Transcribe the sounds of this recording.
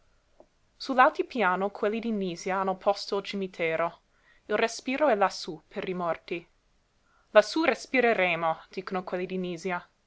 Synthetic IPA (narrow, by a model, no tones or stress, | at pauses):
sulalt̪ipjaːnokʰwelːid̪iniːzjaanːopʰɔst̪oilt͡ʃimit̪ʰeːɾo | ilrespiːɾoɛlasupʰeɾimɔrt̪i | lasurespiɾeɾeːmod̪̥iːkonokwelːid̪iniːzja